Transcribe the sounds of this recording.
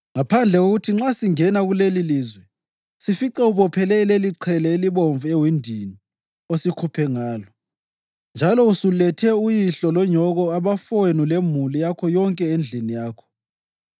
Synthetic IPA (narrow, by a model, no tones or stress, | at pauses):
ŋapʰand͡ɮʱɛɣoɣutʰiŋ͡ǁasiŋɛnaɣuleliliːzwɛ | sifiǀɛuβɔpʰɛlɛleliǃʰɛlɛiliβoɱvuɛwindʱini | osikʰupʰɛŋaːlɔ | nd͡ʒʱalɔusulɛtʰɛujiɬɔlɔɲɔɣɔaβafonulemulijakʰɔjɔŋkʼɛend͡ɮʱinijaːkʰɔ̥